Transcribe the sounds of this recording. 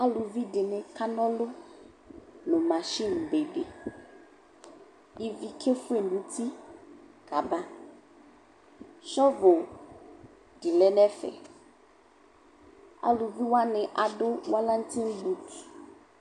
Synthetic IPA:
a˦lʊ˨vi˦dɪ˨nɪ̃˨kʰa˦nɔ̃˦lʊ˦ | nʊ̃˨ma˨ʃi˦˨n˨be˨ɖe˨ | i˨vi˨kʰe˦fʊ˦e˨nũ˨˦tʰi˦ | ɡ̥a˨ba˦ | ʃɔ˦vo˨ | dɪ˨lɛ˦nɛ˦fɛ̰˨ | a̰˨lʊ˨vi˦wa˦nɪ̃˨ʔa˨dʊ˦wa˦la˦n̩˦tʰĩ˦n˦bu˦t

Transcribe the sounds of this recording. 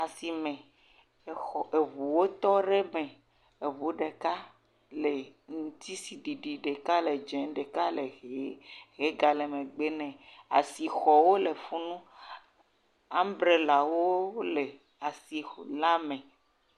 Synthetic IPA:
a˨si˨mẽ˨ | xɔ˨e˨βu˨wo˦t̪ɔ˦ɖe˦mɛ̃˨ | e˨βu˨˦ɖe˨ka˦ | le˨ŋũ˨t̪i˦si˨ɖi˨ɖi˨ɖe˨ka˦le˨d͡ʒɛ̃˨˦ɖe˨ka˦le˨ɣe˦ɣe˦ɡa˨le˨mẽ˨ɡ͡be˦nɛ̃˨a̰˨si˨xɔ˨wo˦le˨fu˦nũ˦ | ã˦m˦bɾe˨la˨wo˦le˨ | a˨si˨la˦mẽ˨

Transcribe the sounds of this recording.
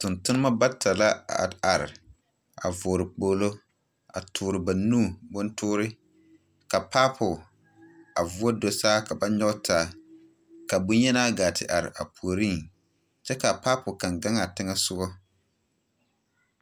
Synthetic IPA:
tʊ˨ntʊ˦nɨ˦ma˦ba˦tʰa˨la˦˨a˨ɾɪ̰˨ | a̰˨vʊ˨ɾɪ˨k͡poː˨lo˦ | a̰˨tʰʊː˨ɾɪ˨ba˨nuː˦˨bʊ˦ntʰʊː˦ɾɪ˦ | ka˨paː˦pʰʊ˨ | a˨vu˦o˦do˨saː˦ka˨ba˦ɲɔ˦tʰaː˨˦˨ | ka˨bʊ˦ɲɛ˦naː˦ɡaː˨tɪ̰˨ʔa˨ɾɪ̰˨ʔa̰˨pu˨o˨ɾi˦˨ŋ | t͡ʃɛ˦ka˨paː˦pʊ˨ka˨ŋɡa˦ŋa˨tɪ˦ŋa˦sʊ˦ɡɔ˦

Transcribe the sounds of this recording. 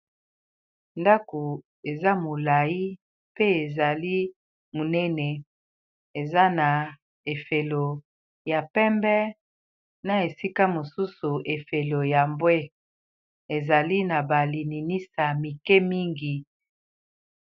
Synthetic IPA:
nda˦ko˨ | e˨za˦mo˨la˨ji˦ | pe˦e˨za˨li˦ | mo˨nɛ˦nɛ˨ | e˨za˦na˨ | e˨fe˨lo˨ | ja˨pɛ˦mbɛ˦ | na˨e˨si˦ka˦mo˨su˦su˨ʔe˨fe˨lo˨ja˨mbwe˦ | e˨za˨li˦na˨ba˨li˨ni˨ni˦sa˨mi˨kɛ˦mi˦ŋɡi˨

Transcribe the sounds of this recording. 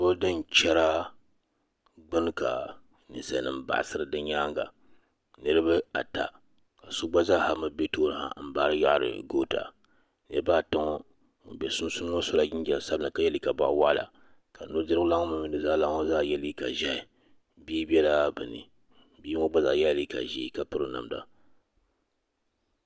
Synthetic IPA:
bo˦dɨ˦n˦t͡ʃɛ˦ɾa˦ | ɡ͡bɨ˦n˦ka̰˨ | nɨ̰˨sɛ̰˨nɨ˨m˦ba̰˨ʔsɨ˦ɾɨ˨dɨ˦ɲɲaː˦ŋɡa̰˨ | nɨ˦ɾɨ˦bɨ˦a̰˨ta̰˨ | ka˨so˦ɡ͡ba˦zaː˦˨ha˨mɨ˦be˦toː˦ɾɨ˨ha̰˨m̩˦baː˦ɾɨ˦ja̰˦ʔɾɨ̰˨ɡo˦ta̰˨ | nɨ˦baː˦ta˦ŋo˦˨ | bɛ˨su˦n˦su˦n˦o˦so˦la˦ɡɪ˦nɡɛ˨lsa˦bɨ˦nɨ˨ka˦jɛ˦li˦ka˨ba̰˦˨ʔwa˦ʔla̰˨ | ka˨nu˦dɨ˦ɾʊ˦la˦ŋo˦mɨ˦mɨ˨nɨ˨zaː˦la˦ŋɔ˦zaː˦˨jɛ˦li˦ka̰˨ʒɛ˦ɪ˨ | biː˦bɛ˦la˦bɨ˨nɨ̰˨˦ | bi˦ŋɔ˦ɡ͡ba˦za̰˨jɛ˦li˦ka̰˨ʒi˦ka˨pɨ˦ɾɨ˦na̰˨mda̰˨

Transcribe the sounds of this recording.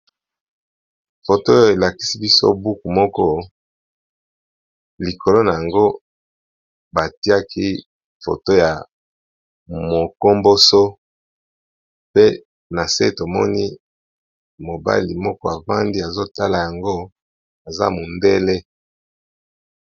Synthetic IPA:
fo˨to˦o˦˨e˨la˨ki̥˦si˦bi˦so̰˦bu˦ku˨mɔ˦kɔ˦ | li˨kʰo˨lo˦na˨ja˨ŋɡo˦ | ba˨ti˦a˦kʰi˦ | fo̰˨to˦ja˨ | mo˨ko˦mbo˦so˦ | pe˦ | na˨se˦to˨mɔ̰˦ni˦ | mo˨ba̰˦li˨mɔ˦kɔ˦a˨va˦ndi˦a˨zo˦ta˦la˨ja˨ŋɡo˦ | a˨za̰˦mo˨nde˦le˦

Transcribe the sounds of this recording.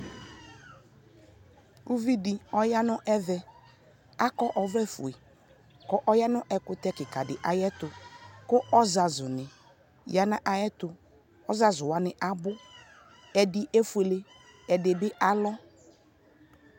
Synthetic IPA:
u˦vi˦dɪ˨ɔ˦ja˦nʊ˦ʔɛ˦vɛ˨ | a˦kɔ˦ʔɔ˨vɾɛ˦fṵ˨e˨ | kɔ˦ʔɔ˦ja˦nʊ̃˦ʔɛ˨kʊ˦t̪ɛ˦kɪ˨ka˨dɪ˨ʔa˨jɛ˦t̪ʊ˨kʊ˦ʔɔ˦za˨zʊ˨nɪ˨ | ja˨nã˦ʔa˨jɛ˦t̪ʊ˨ | ɔ˦za˦zʊ˨wa˦nɪ˨ʔa˨bʊ˦ | ɛ˨dɪ˨ʔe˦fu˨˦e˨le˦ | ɛ˨dɪ˨bɪ˦ʔa˦lɔ˦

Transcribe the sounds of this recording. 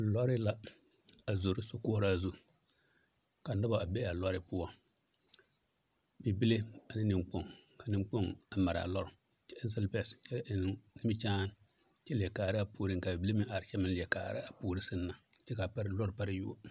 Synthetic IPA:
lɔ˦ɾɪ˦la˦ | a˨zo˨ɾɪ˦so˦kʊ˦ʊ˦ɾa˦zu˦ | ka˨da˦ba˨a˨bɛ˦a˨lɔ˦ɾɪ˦pʊ˦ɔ˦ | bi˨bi˦le˦a˨nɪ˦nɪ˨mk͡po˦˨ŋka˨nɪ˨˦m˦k͡po˦ŋa˨ma˨ɾa̰˨lɔ˦ɾʊ˨ | t͡ʃɛ˦ns̬ɪ˦lpɛ˦˨st͡ʃɛ˦˨n˨˦nɪ˦mɪ˦t͡ʃaː˦n | t͡ʃɛ˦lɛ˨kaː˨˦ɾɪ˦a˨puː˦ɾi˦ŋ˨ka˨bi˨ble˦mɪ˦ʔa˨ɾt͡ʃɛ˦mɪ˦nlɪ˨ɛ˨kaː˨ɾɪ̰˦a˨puː˦ɾi˦sɨ˦nːa˨t͡ʃɛ˦ka˨pa˦ɾlɔ˦ɾpa˦ɾɪ˦ju˦o˦

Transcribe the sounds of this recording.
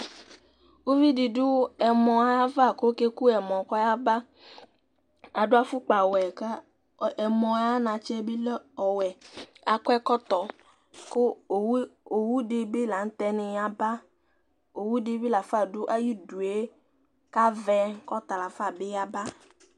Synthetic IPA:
wo˦vi˦di˨dʊ˦ɛ˨mɔ̃˨a˨˦va˦˨ko˦ke˦ku˦ɛ˨mɔ̃˨kɔ˦ja˦ba˦ | a˨dʊ˦a˦fʊ˦k͡pa˨wɛ˨ka˦ | ɛ˨mɔ̃˨a˦nã˨t͡ʃɛ˦bɪ˦lɔ˨wɛ˨a˨kɔ˦ɛ˦kɔ˦t̪ɔ˨ | kʊ˦˨˦ | o˨wu˦de˨bɪ˦la˨n̩˦t̪ɛ˦nɪ̃˨a˨ba˦ | o˨wu˦di˨bi˦la˨fa˦˨dʊ˦ʔa˦ji˦du˨e˦ | ka˦vɛ˦kɔ˦t̪a˨la˨fa˦˨bɪ˦a˨ba˦

